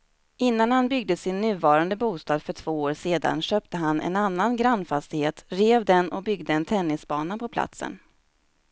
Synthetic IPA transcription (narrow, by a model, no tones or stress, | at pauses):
ʔɪnːanhanbʏɡd̪əsɪnːʉ̟ːvɑːɾand̪əbuːst̪ɑːd̪fœʈʰv̥oːoːɾseːd̪a̰nɕøːp̚t̪əɦanɛ̰nanːanɡɾanːfast̪ɪheːt̪ɾeːvd̪ɛnɔbʏɡd̪əɛnt̪ʰɛnːɪsbɑːnapʰɔpʰla̰t̪sə̰n